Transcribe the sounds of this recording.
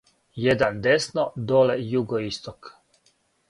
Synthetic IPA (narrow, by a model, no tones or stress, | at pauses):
jed̪and̪esnod̪olejuɡoist̪ok